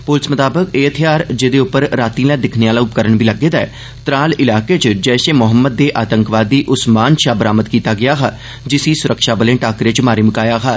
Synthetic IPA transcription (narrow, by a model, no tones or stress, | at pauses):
pʊlsmət̪aːbəkeːət̪ʰjaːɾd͡ʒeːd̪eːʊpːəɾɾaːt̪ĩːlaːd̪ɪkʰneaːlaːʊp̚kəɾəɳʋiːləɡːeːd̪aɛ̰ː | t̪ɾaːlɪlaːkeːt͡ʃd͡ʒɛːʃeːmʊɦəmːəd̪̚ːeːʔaːt̪əŋkʋaːd̪iːʔʊsmaːnʃaːbəɾaːməd̪kiːt̪aːɡɪjaːɦaː | d͡ʒɪsiːsʊɾəkʃaːbəlẽːʈaːkɾeːt͡ʃmaːɾiːməkaːjaːɦaː